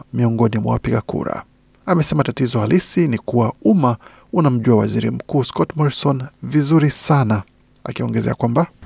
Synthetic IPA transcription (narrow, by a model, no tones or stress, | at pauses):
miɔŋɡɔnimwa̰wa̰piɠakṵɾa̰ | amɛsɛmatatizɔhalisinikuwauma | unam̩ʄuawaziɾim̩kuːskɔtmɔɾisɔnvizuɾisana | a̰kiɔŋɡɛzɛ̰akwamba